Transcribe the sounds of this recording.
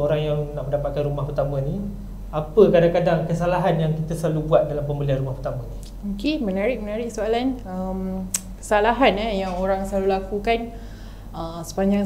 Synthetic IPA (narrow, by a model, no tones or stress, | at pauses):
oɾaŋjaŋnaʔməndapat̪̚kanɾumahpərt̪amə̃ni | apəkadaŋkadaŋkəsalaɦanjaŋkit̪əsəlalubuat̪̚dalampəmbəlianrɾumahpərt̪amə̃ni | mokemə̃naɾɪʔ̚mənaɾɪʔsoalanəmkə̥salaɦanəjaŋoɾaŋsəlalulakukan | əsə̥paɲd͡ʒaŋ